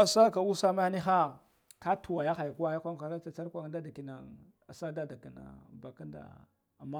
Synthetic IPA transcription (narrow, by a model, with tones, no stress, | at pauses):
a˨sa˦ka˨u˦sa˦ma˦ni˦xa˦ | ka˦tu˨wa˨ja˦xa˨jku˦wa˦ja˦kʷa˦a˨ɾa˦a˨t͡sa˦ɾkʷa˦˨da˦da˨ki˨na˨ | a˨sa˦da˦da˨ki˨na̰˨ba˨ka˦nda̰˨ | a˨ma˦